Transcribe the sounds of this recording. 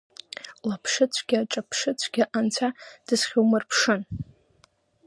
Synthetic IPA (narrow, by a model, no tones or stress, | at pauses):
lapʰʂɨt͡sʷʰɡʲaaʈ͡ʂʼapʰʂɨt͡sʷʰɡ̥ʲaʔant͡sʷʰad̥ɨsχʲowmɨrpʰʂɨn